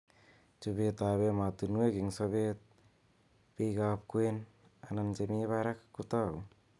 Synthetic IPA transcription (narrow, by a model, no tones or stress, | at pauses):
t͡ʃubet̪aβemat̪unueɡiŋsɔbet̪̚ | piɡap̚kuen | anand͡ʒemiβaɾakkːut̪aw